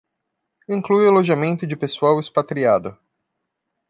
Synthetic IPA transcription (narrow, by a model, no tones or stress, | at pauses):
ĩŋklujeloʒamẽnt̪ʊd͡ʒɪpesuawɪspat̪ɾiad̪ʊ